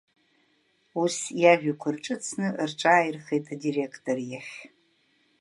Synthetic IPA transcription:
usjaʒᶣakʷʰʊrʈ͡ʂʼɨt͡sʰnɨrʈ͡ʂʼaːjrχejtʰʼadirekʰtʼorjaχʲ

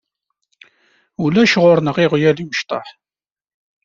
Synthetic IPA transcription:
ulæʃʁʊɾnəʁiʁjæliməʃt̪ˤɑ̰ħ

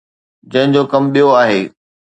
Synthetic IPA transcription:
d͡ʑɐ̃ɦɪ̃ɲd͡ʑoːkɐmɓijoaːɦeː

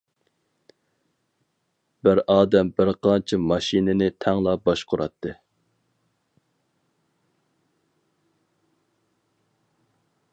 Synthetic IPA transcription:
b̥ɪɾɑːd̪ɛmbɪɾqʰɑnt͡ʃʰɪmɑʃinɪnɪt̪ʰɛŋlˠɑbɑʃqʰʊɾɑt̪ʰːɨ

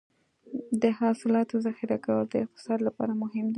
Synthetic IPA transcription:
d̪əhɑsɪlɑt̪ozaxɪɾakawəld̪əɪq̚t̪ɪ̥sɑd̪lapɑ̰ɾamʊɦɪmd̪i

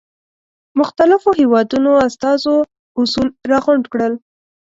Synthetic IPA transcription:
mʊxt̪alɪfoɦewɑd̪unoast̪ɑzo | usulɾɑɣʊɳɖkɽəl

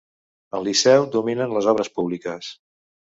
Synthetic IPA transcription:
əlˠːisɛwd̪uminənləzɔβɾəspuβlikəs

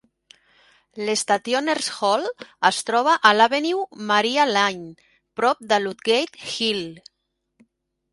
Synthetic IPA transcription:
lest̪at̪joneɾsxɔləst̪ɾɔβ̞aʔalaβeniwmaɾialaɲ | pɾɔp̚d̪əlut̪ɡejt̪xil

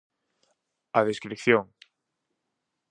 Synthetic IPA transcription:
aðeskɾikθjoŋ

